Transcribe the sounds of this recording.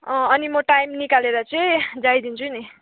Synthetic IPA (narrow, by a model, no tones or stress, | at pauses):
ʌ̃ʌnimʌʈajmnikaleɾʌt͡sʌid͡zajd̪int͡sʰuni